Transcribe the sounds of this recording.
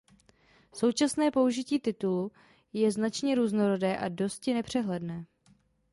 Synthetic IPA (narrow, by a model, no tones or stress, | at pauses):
so̞wt͡ʃasnɛːpo̞uʒɪciːt̪ɪt̪ulu | jɛznat͡ʃɲɛɾuːzno̞ɾo̞dɛːʔado̞scɪnɛpr̝̥ɛɦlɛdnɛː